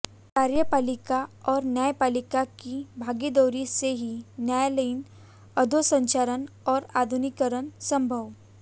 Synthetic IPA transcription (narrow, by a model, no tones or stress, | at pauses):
kaɾjəpaːlikaɔːɾnjajepaːlikakibʱaːɡid̪ɔwɾiseɦinjajaləin | əd̪ʱosə̃ɲt͡ʃaɾən | ɔːɾad̪ʱunikəɾənsə̃mbʱəʋ